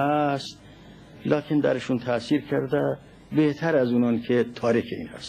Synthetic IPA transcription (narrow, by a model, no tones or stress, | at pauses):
æst̪̚ | lɒːkʰend̪æ̰ɾeʃuːnt̪ʰæsiːɾkʰæɾd̪æ | beht̪ʰæɾæzuːnɒːnkʰet̪ʰɒːɾikʰeḭːnhæ̰st̪